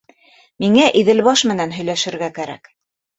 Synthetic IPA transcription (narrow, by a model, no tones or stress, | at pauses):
miŋæʔiðɘ̆lβɑʃmɘ̆nænɦɵ̆jlæʃɘ̆ɾɡækæɾæ̰k